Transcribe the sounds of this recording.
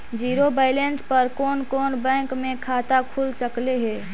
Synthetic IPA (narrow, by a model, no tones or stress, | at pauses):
d͡ʒiːɾobaːɪlenspəɾkɔːnkɔːnbɛ̃ːŋkmẽkʰaːt̪akʰulsəkleɦɛː